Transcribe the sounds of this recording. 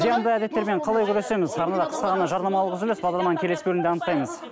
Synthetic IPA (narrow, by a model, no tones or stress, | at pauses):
zijɑnd̪əæd̪e̞t̪ːe̞ɾme̞ɴqʰɑlˠɑjkʲʰʏɾese̞mɪzɑɾnɑd̪ɑqʰə̥sqɑʁɑnɑʒɑɾnɑmɑlˠəʁzʏlesbɑʁd̪ɑɾlˠɑmɑŋkʲʰele̞sɪbɵlɪmnd̪eɑnəq̚t̪ɑjməz̥